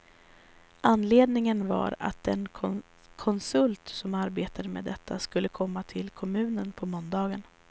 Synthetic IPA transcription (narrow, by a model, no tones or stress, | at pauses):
ʔanːleːd̪nɪŋənva̰ɾa̰t̪̚d̪ɛnʰ | kʰɔnsɵlt̪sɔmaɾbeːt̪ad̪əmḛːd̪ɛt̪ʰːaskɵlːəkʰɔmːat̪ʰɪlkʰɔmʉ̟ːnənpʰɔmɔnd̪ɑːɡən